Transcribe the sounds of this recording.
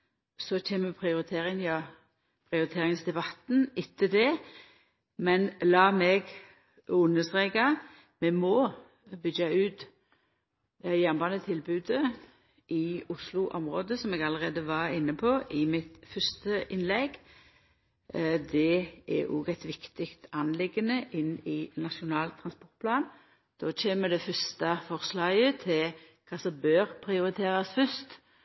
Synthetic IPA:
sɔçeːnməmpʰɾɪʊɾɪt̪ʰeːɾɪŋjɑː | pʰɾɪʊɾɪt̪ʰeːɾɪŋsd̪ɛbɑt̪ːn̩ɪt̪ʰːəd̪ɛ | mɛnlɑːmɛɡ | ʉnːəst̪ʁeːkɑ | mɛmɔ | bʏɡɑʉːt̪ | jæːnbɑːnət̪ʰɪlbʉːd̪ə | ʔɪʊslʊʔɔmʁoːd̪əsɔmɛɡɑləʁeːd̪əʋɑɪnːəpʰoʔɪmɪt̪fœst̪əʔɪnlɛɡ | d̪ɛɛ̰ʔɔ̰ɡæɪt̪ʋɪkt̪ɪkt̪ɑnlɪɡənəʔɪnːɪnɑʃʊnɑːlt̪ʰːʁɑnspɔɾt̪̚pʰlɑːn | d̪̥oːt͡ʃeːməd̪ɛfœst̪ɑfɔʁslɑːɡət̪ʰɪl | kʰɑːsɔmbøːɾpʰɾɪʊɾɪt̪ʰeːɾɑsfœst̪

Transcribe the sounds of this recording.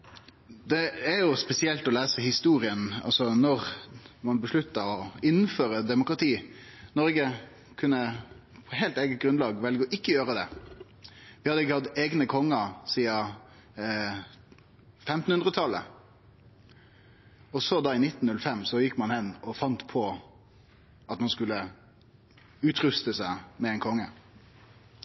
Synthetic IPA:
d̪ɛːɾjʊspɛsɪɛlt̪ɔlæːsəhɪst̪uːɾɪənɑ̰lsɔnɔʁmɑnbəʂɭʉt̪ːɑɔɪn̩ːføːɾəd̪ɛmʊkɾɑt̪ʰiːnɔɾɡə | kʰʉnːəpʰɔheːlt̪eːɡət̪̚ɡɾʉnlɑːɡʋɛlɡəɔʔɪkːəjøːɾəd̪ɛ̰ | ʋɪhɑd̪əɪk̬ːəhɑt̪eːɡnəkʰɔŋːɑsiːɑ | fɛmt̪n̩ʉnʁət̪ʰɑlːə̰ | ɔsɔd̪ɑːɪnɪt̪ːn̩ʉlfɛmːsɔjɪkːmɑnhɛnːɔfɑnt̪pʰɔ | ʔɑt̪mɑnskʉlːə | ʉːt̪ɾʉst̪əsæɪmɛɛɪnkʰɔŋːə

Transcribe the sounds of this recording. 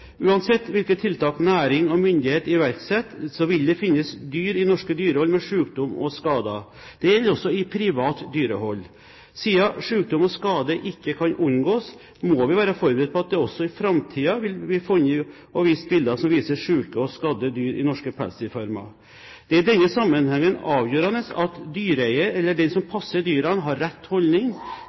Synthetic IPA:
ʉːɑnsɛt̪ːʋɪlkət̪ʰːɪlt̪ɑːknæːɾɪŋɔmʏnd̪ɪheːt̪ɪʋæɾksɛt̪ːsɔʋɪld̪ɛfɪnːəsd̪yːɾɪnɔʂkəd̪yːɾəhɔlːmɛʂʉːkd̪ʊmɔ̰skɑːd̪ɑ | d̪̥ɛjɛlːɾɔsːɔɪpʰɾɪʋɑːt̪d̪yːɾəhɔlː | siːɑʂʉːk̚d̪ʊmɔskɑːd̪əʔɪkːəkʰɑnʔʊnɡoːs | mɔʋɪʋæːɾəfɔɾbəɾɛt̪̚pʰɔɑt̪̚d̪ɛɔsːɔɪfɾɑmt̪ʰiːɑʋɪlʋɪfɔniː | ɔʋɪːst̪̚bɪld̪ɑsɔmʋiːsəʂʉːkəɔskɑd̪əd̪yːɾɪ̰nɔʂkəpʰæ̰lsɪfɑɾmɑ̰ | d̪̥ɛæɖɛnːəsɑmːənhɛŋːənɑːʋjøːɾɑnəsɑ̰t̪d̪yːɾæɪəɛlːəɖɛnsɔmpʰɑsːəd̪yːɾɑnɦɑɾːɛt̪ːhɔlnɪŋ

